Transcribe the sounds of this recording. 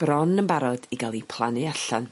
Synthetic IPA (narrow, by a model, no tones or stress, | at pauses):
b̥ɾɔnəmbaɾɔd̥iɡalˠipʰlˠanɨaɬan